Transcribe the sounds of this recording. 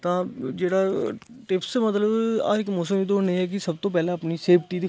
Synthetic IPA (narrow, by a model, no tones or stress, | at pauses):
t̪ãːd͡ʒeːɽaː | ʈɪpsmət̪ləba̰ːɪkmoːsəmiːd̪oneːɛːk̬ɪsəbt̪õːp̬ɛːleːəpniːseːpʰʈiːd̪i